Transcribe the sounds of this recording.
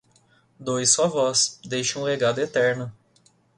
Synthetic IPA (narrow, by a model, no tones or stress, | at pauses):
d̪ojsuɐvɔsd̪ejʃɐũleɡad̪ʊet̪ɛɾnʊ